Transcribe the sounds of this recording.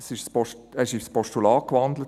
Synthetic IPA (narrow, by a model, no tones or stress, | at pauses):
sɪʃspɔɛɪʃifspɔʃtulɑːkʋɑnd̪lət